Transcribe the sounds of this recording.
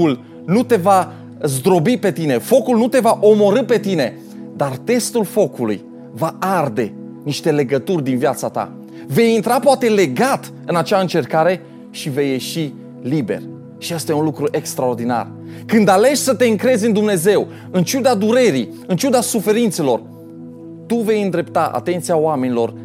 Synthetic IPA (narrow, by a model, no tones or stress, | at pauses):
ul | nut̪e̞va | zd̪ɾo̞bipe̞t̪ine̞fo̞kulnut̪e̞vaʔo̞mo̞ɾɨpe̞t̪ine̞ | d̪art̪e̞st̪ulfo̞kulṵj | vaard̪e̞ | niʃt̪e̞le̞ɡət̪urʲd̪invjat̪sat̪a̰ | ve̞jint̪ɾapoat̪e̞le̞ɡat̪ | ɨnat͡ʃaɨnt͡ʃe̞rkaɾe̞ | ʃive̞jːe̞ʃi | libe̞̰r | ʃijest̪ajeunlukɾuʔe̞kst̪ɾao̞rd̪ina̰r | kɨnd̪ale̞ʃʲsət̪e̞ɨŋkɾe̞zʲɨnd̪umne̞ze̞w | ɨnt͡ʃud̪ad̪uɾe̞ɾi | ɨnt͡ʃud̪asufe̞ɾint̪se̞lo̞r | t̪uve̞jɨnd̪ɾe̞pt̪aʔa̰t̪e̞nt̪sijaoame̞nilo̞r